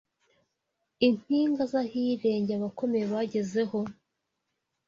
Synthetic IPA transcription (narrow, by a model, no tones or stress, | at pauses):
in̥iːŋɡazahiɾe̞ːɲɟeaβako̞me̞jeβaɟe̞ze̞ho̞